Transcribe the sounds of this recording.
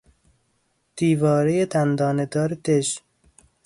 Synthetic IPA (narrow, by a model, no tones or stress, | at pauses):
d̪̥iːvɒːɾejed̪ænd̪ɒːned̪ɒːɾet̪ʰeʃ